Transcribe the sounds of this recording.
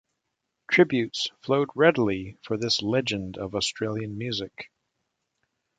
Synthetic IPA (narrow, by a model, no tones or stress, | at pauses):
tʰɹ̥ɪbjʉtsfloʊd̚ɹɛdl̩ˠifə˞ðɪslɛd͡ʒɨ̃ndʌvɔstʰɹ̥eɪlˠjɨ̃nmjʉzɪk